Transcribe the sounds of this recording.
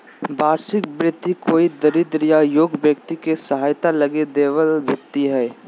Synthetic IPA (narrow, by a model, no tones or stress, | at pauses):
baːɾsɪk̚bɾɪt̪ːikoːid̪əɾɪd̪ɾɪjajoːɡbjəkt̪ikesɐɦaːjt̪alɐɡed̪eːʋəlbʱɪt̪ːiɦɛː